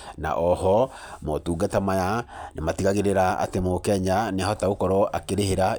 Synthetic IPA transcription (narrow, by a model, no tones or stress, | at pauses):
na̰ʔɔhɔ | mɔtuːɡatamajanematiɣaɣeɾeɾaa̰temokɛɲaneahɔtaokɔɾɔakeɾeheɾa